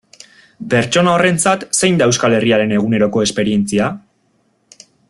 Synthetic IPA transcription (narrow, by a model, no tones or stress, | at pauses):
pe̞ɾt͡ʃo̞nao̞re̞nt͡sat̪se̞jnd̪aewskale̞riaɾe̞ne̞ɣ̞une̞ɾo̞ko̞e̞spe̞ɾie̞nt͡sia